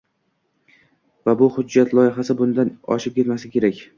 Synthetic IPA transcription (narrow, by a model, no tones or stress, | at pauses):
vabʊhʊd͡ʒːat̪lˠɒjɪɦasɪbʊnd̪anɒ̰ʃɪp̚kʲʰe̞t̪masɪkʲe̞ɾakʲ